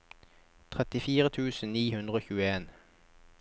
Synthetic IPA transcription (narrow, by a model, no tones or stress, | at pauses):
t̪ʰʁɛt̪ɪfiːʁət̪ʰʉːsn̩niːhʉnd̪ʁəoːçʉːəeːn